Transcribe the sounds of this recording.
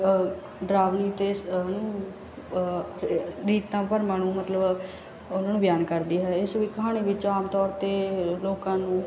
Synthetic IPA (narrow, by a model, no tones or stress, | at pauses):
ɖɾaːʋniːt̪eːnũː | ɾiːt̪ãːpəɾmaːnũːmət̪ləb | ʊnãːnũbjaːnkəɾd̪iːɦɛːɪsʋiːkəɦaːɽ̃iːʋɪt͡ʃaːmt̪ɔːɾt̪eːloːkãːnũː